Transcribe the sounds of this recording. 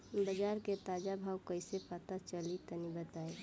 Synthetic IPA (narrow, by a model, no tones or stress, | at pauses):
bəd͡ʒaːɾket̪aːd͡ʒabʱaːwkəɪsepat̪at͡ʃəlit̪ənibət̪ai